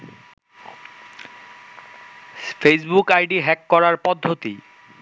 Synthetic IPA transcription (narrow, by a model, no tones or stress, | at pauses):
pʰesbukajɖiɦɛkːɔɹaɹpɔd̪ʱːot̪i